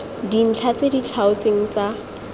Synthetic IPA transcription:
din̩t͡ɬʰat͡sedit͡ɬʰaʊt͡seŋ̩t͡sa

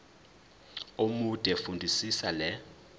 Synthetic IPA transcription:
omud̥ʱʼɛfundʱisisalɛ

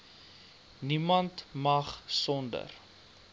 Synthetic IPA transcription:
nimɐntmɐχsɔndə̰r

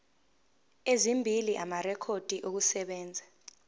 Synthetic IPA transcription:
ezimbʱiliʔamarɛkʰod̥ʱiʔok̬usɛɓɛːnd͡zʱa

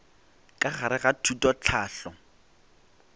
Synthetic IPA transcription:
kʼaχaɾɪɣatʰutʼɔt͡ɬʰaːɬɔ

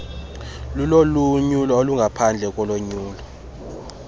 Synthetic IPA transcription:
luloluɲulɔoluŋɡʱapʰand͡ɮʱɛk̬ʼɔloɲuːlɔ

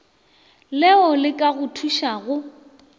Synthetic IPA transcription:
lɛɔlɪkʼaɣʊtʰuʃaɣʊ

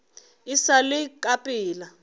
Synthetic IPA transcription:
isalɪkʼapʼiːla

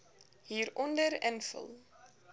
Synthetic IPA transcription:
ɦiːɾɔndəɾənfə̰lˠ

